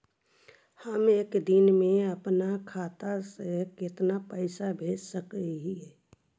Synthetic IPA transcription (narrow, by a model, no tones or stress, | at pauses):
həmeːkd̪ɪnmẽəpnakʰaːt̪asekɪt̪napəɪsabʱeːd͡ʒsəkeɦiɛ